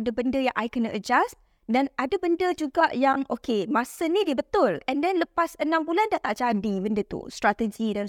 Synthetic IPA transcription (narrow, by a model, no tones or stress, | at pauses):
dəbəndəja̰ŋʔajkənəʔəd͡ʒas | danadəbəndəd͡ʒuɡaʔjaŋʔokemasənĩdiəbət̪ʊlɛndɛnləpasənãmbulandaht̪aʔd͡ʒandibəndət̪ṵst̪ɾat̪əd͡ʒidan